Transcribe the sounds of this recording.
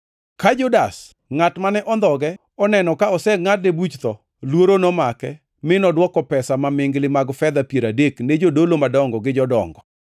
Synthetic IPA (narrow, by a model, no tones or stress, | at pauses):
kad͡ʒʊdas | ŋatmanɛʔɔnd̪ɔɡɛ | ɔnɛnɔkaɔsɛŋat̚debut͡ʃt̪ɔ | lwoɾonomakɛ | mɪnɔdwɔkɔpɛsamamɪŋɡlɪmaɡfɛd̪apjeɾadekned͡ʒodolomadɔŋɡɔɡɪd͡ʒɔdɔ̰ŋɡɔ